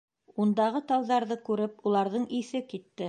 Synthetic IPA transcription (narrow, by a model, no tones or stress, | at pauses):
und̪ɑʁɤt̪ɑwðɑɾðɤkʉɾɘpulˠɑɾðɤɴiθɘkit̪ːɘ